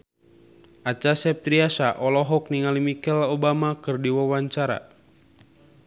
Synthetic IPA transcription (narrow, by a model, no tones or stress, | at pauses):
ʔat͡ʃasɛp̚t̪ɾiasaʔɔlɔɦɔk̚niŋalimikɛlobamakɨrdiwawaɲt͡ʃaɾa̰